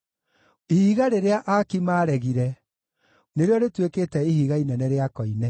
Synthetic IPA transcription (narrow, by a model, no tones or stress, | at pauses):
ihiːɣaɾeɾeaʔakimaɾɛɣiɾɛ | neɾeɔɾetwekeːtɛihiɣainɛnɛɾeakɔinɛ